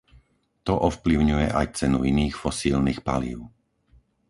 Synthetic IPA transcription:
t̪ɔʔɔfpliʊɲujɛʔajt͡sɛnuiniːxfɔsiːlnixpa̰lḭːʊ

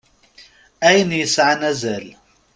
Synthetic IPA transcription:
ʔæjnjəsʕanæzæl

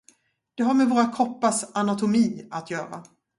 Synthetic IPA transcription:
d̪̥ɛɦaɾmɛvoːɾakʰɔpːasanat̪ʊmiːat̪ʰjœːɾa̰

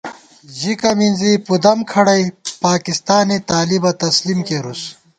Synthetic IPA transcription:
ʑikɐminzipud̪ɐmkʰɐɽɐjpaːkist̪aːnit̪aːlibɐt̪ɐslimkeɾus

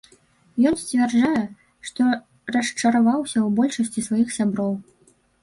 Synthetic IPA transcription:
jɔnsʲt͡sʲvʲɛrd͡ʐajɛ | ʂt̪ɔ | rɐʂt͡ʂɐɾavawsʲɐwbɔlʲʂɐsʲt͡sʲisvajixsʲabɾɔw

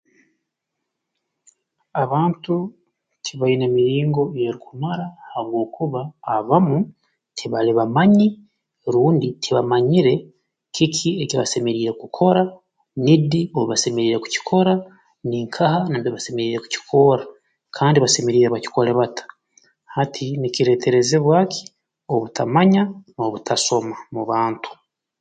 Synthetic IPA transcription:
aβaːntu | cʰiβainemiɾiːŋɡo̞jeɾikumaɾahaβwo̞ːkuβaːβamu | tʰiβaliβamaɲi | ɾuːnditʰiβamaɲiɾe̞ | kʰikʰieciβa̰se̞me̞ɾiːɾe̞kukʰo̞ɾa | nidioβuβase̞meɾiːɾe̞ku̥ci̥kʰo̞ɾa | niːŋkʰahanambiβase̞me̞ɾiːɾe̞ku̥ci̥kʰo̞ɾa | kʰaːndiβase̞meɾiːɾeβaci̥ko̞ɾeβatḁ | hatʰiniciɾeːte̞ɾe̞zeβwaːkʰi̥ | o̞βutʰamaɲanoβutʰaso̞mamuβaːntʰu̥

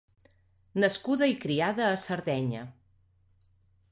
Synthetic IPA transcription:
nəskuðəikɾiaðəːsəɾðɛɲə̰

